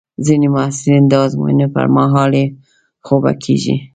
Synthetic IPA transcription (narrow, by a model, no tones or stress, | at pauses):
zinemʊasɪɾind̪ɑzmṵnepa̰ɾmaɦɑle | xoba̰kʰeʒḭ